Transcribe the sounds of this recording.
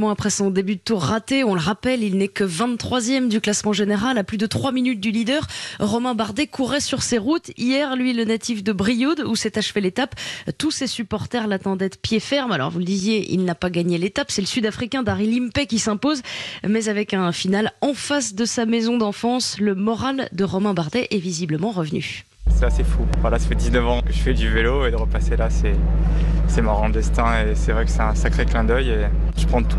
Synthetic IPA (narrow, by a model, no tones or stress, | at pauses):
mɑ̃apχɛsɔ̃d̪ebyt̪uʁːat̪eɔ̃ləʁapɛlilnɛkəvɛ̃t̪t̪ːχwazjɛmd̪yklasmɑ̃ʒeneʁalaplyd̪ət̪χwaminyt̪̚d̪ylid̪œːʁʁɔmɛ̃baʁd̪ekuʁɛsyʁseʁut̪ijɛʁlɥilənat̪ifd̪əbʁijud̪usɛt̪aʃvɛlet̪apt̪usesypɔʁt̪ɛʁlat̪ɑ̃d̪ɛd̪pjefɛʁmalɔ̰ʁvuləd̪izjeʔḭlnapaɡaɲelet̪apsɛləsyd̪afχikʲɛ̃d̪aʁilimpɛkʲisɛ̃pozmɛzavɛkɛ̃finalɑ̃fasd̪əsamezɔ̃d̪ɑ̃fɑ̃sləmɔʁald̪əʁɔmɛ̃baʁd̪ɛʔɛvizibləmɑ̃ʁəvny̰ | sɛt̪asɛfuvwalasḁfɛd̪iznəvɑ̃kəʒəfɛd̪yveloed̪əʁəpaselasɛ | sɛmɔ̃ʁɑ̃d̪ɛst̪ɛ̃esɛvʁɛkə̥sɛt̪ɛ̃sakχeklɛ̃d̪œje | ʒ̥əpχɑ̃t̪ʰu̥